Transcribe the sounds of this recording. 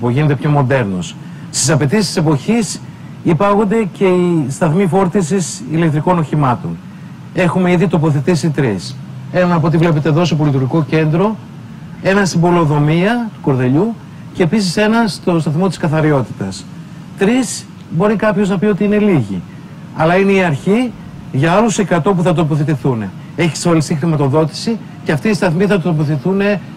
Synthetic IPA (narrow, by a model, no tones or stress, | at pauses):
poʝinet̪e̞pʰço̞mo̞nd̪e̞ɾnos | st̪isɐpe̞t̪issise̞po̞çis | ipɐɣo̞nd̪e̞ce̞ist̪ɐθmifo̞ɾt̪isisile̞kt̪ɾiko̞no̞çimɐt̪o̞̰n | e̞xume̞iðit̪o̞po̞θet̪isit̪ɾis | e̞nɐnɐpot̪ivle̞pet̪eðos̬e̞po̞lit̪̬uɾʝiko̞ce̞nd̪ɾo̞ | e̞nɐsimbo̞lo̞ðo̞miɐt̪u̥ko̞ɾðeʎu | ceːpisise̞nɐst̪ost̪ɐθmo̞t̪iskɐθɐɾio̞t̪i̥t̪ɐs | t̪ɾis | bo̞ɾikɐpço̞znɐpio̞t̪iine̞liʝḭ | ɐlɐine̞iɐɾçi | ʝɐɐluse̞kɐt̪o̞p̬uθɐt̪̬o̞poθet̪iθune̞̰ | e̞çi̥seolist̪ixɾimɐt̪o̞ðo̞t̪i̥si | ce̞ɐft̪iːst̪ɐθmiθɐt̪opoθiθune̞